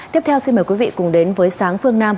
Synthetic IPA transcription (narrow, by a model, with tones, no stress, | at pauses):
t̪i˦˥əp̚t̪ʰɛ˧wsi˧nməː˨˩jkwi˨˦vḭ˧˨kʊ˨˩ŋ͡mɗe˨˦nvəː˨˦jsaː˨˦ŋfɨ˧əŋnaː˧m